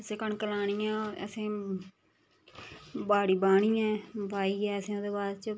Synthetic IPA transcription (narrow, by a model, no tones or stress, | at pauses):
əsẽːkəɳkəlaːɳijãːə̰sẽː | baːɽiːbaːɽiːãːbaːiːɡɛːəsẽːod̪eːbaːd̪t͡ʃ